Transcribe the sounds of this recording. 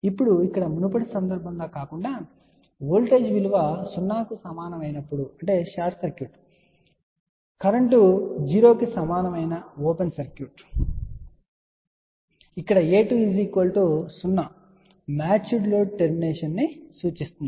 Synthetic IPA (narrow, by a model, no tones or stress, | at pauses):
ipːuɽuikːɐɽɐmunupɐɽisɐnd̪ɐɾbʱɐnloːkaːkuɳɖaː | ʋoːlʈe̞ːd͡ʒʋiluʋɐsunːaːkusɐmaːnɐmɐjnɐpːuɽuɐɳʈe̞ːʃaːɾʈsɐɾkjuʈ | kɐɾɐɳʈud͡ʒiːɾo̞ːkisɐmaːnɐmɐjnɐoːpensɐɾkjuʈ | ikːɐɽɐeːʈuːiziːkolʈoːsunːɐ | maːt͡ʃuɖloːɖʈeɾmineːʂɐnːisuːt͡ʃist̪und̪i